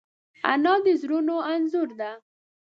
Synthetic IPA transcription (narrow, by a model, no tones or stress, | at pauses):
a̰nɑd̪əzɾunoanzʊɾd̪a